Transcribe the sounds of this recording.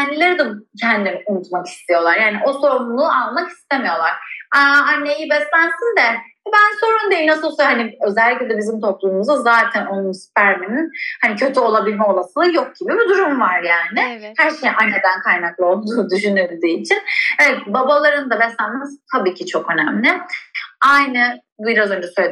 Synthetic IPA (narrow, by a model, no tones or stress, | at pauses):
ænd̪ilʲe̞ɾid̪ɛcʰænd̪d̪iniunut̪maki̥st̪ʰijo̞lˠaɾjaːniʔo̞so̞ɾumlˠuːalːˠamaki̥st̪e̞mijo̞lˠaɾ̥aanːe̞jibɛsænsind̪ɛɛbænso̞ɾund̪ejimnasɯlˠsohaniø̞zɛlʲːicʲlʲed̪ɛbizimt̪ʰo̞plˠuːmuzɯzaːt̪ʰæno̞nunspʰæɾmininhanicʰø̞t̪ʰyo̞lˠabilʲmɛo̞lˠasɯlˠɯjo̞k̚ɟ̥ibibid̪uɾumvaɾjaːnɪhæɾʃe̞jʔanːe̞d̪ænkʰajnaklˠɯo̞lˠd̪uːd̪yʃynylʲd̪iːit͡ʃʰinevɛt̪babalˠaɾɯnd̪abɛsænmzt̪ʰabiːcʰit͡ʃʰo̞kø̞næmlʲɪ | ajnɯ | biɾazø̞nd͡ʒɛsøj